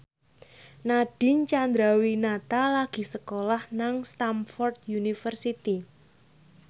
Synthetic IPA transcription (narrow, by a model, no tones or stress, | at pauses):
naɖ̥ɪ̤nt͡ʃand̪ɾawinat̪alaɡ̥i̤səkolahnaŋst̪amfɔrd̪junifərsit̪i